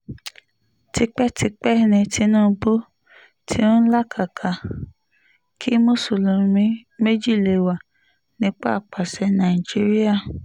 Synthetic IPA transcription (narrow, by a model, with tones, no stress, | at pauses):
ti˧k͡pɛ˦ti˧k͡pɛ˦˨nɛ̃˧˨tʰi˧˦nũː˦˧˦bo˦ | tʰĩ˧˦n̩˦la˦kʰa˨kʰa˨ | kʰi˦mo˦˨so˨lũ˨˧mĩ˧˦me˦d͡ʒi˦˨le˨wa˨ | nĩ˦k͡pa˦˨k͡pa˨sɛ˨˧˦nã˨i˨d͡ʒi˦ɾi˦a˦˨